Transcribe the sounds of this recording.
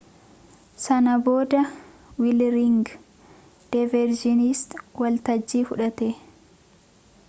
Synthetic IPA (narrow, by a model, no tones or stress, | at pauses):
sɐnɐbo̞ːd̪ɐ | wɪlɾɪŋɡ | d̪̥ɐvɛɾd͡ʒɪnist̪wɐlt̪ɐd͡ʒːiːfʊᶑɐt̪eː